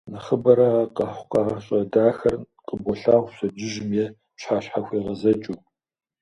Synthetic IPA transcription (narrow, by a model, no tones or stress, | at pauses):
nɨχəbɐɾɐqɐħʷqɑːʁɐɕʼɐdaːxɐr | qʼəbɔɬaːʁʷsɐd͡ʒɪʒɪmjɛ | pɕħaːɕħaxʷeːʁɐzɐt͡ʃʼuː